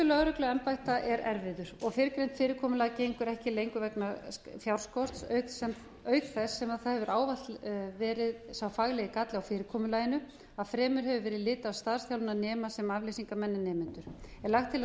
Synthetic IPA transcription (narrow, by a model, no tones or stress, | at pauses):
ʏlœɣɾʏklʏɛnpajht̪aʔɛɾɛɾvɪðʏɾ̥ɔɣfɪɾɪkɾejnt̪fɪːɾɪɾkʰɔːmʏlaːcejŋkʏɾɛhcɪlejŋkʏvɛknafjawr̥skɔr̥t̪sœːɥksɛm | œːɥkθɛsːɛmaðθaðhɛvʏɾʔaːwvat̪vɛːɾɪðsawfaɣlɛɣɪkat̪lɪawfɪːɾɪkʰɔːmʏlaːjɪnʏ | aðfɾɛːmʏɾ̥ɦɛvʏvɛːɾɪðlɪːt̪aːwst̪aðsθjawlʏnanɛːmasɛmavlejsiŋkamɛnːɪnɛːmɪnt̪ʏɾ̥ɛlaxt̪ʰːɪla